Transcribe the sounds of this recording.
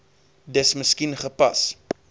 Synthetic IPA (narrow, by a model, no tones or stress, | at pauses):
dəsməskinχəpɐs